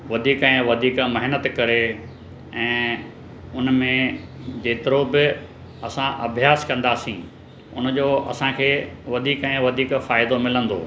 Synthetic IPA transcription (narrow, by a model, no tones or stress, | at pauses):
ʋɐd̪ʱiːkɛ̃ːʋɐd̪ʱiːkmɐɦɪnət̪kɐɾe | ɛ̃ː | ʊnmẽd͡ʑeːt̪ɪɾobɪ | ɐsãʔɐbʱjaːskɐ̃nd̪aːsĩː | ʊ̰nd͡ʑoːɐ̰sãkʰeːʋɐd̪ʱiːkɛ̃ːʋɐd̪ʱiːkfaːɪd̪omɪlə̃nd̪o̰ː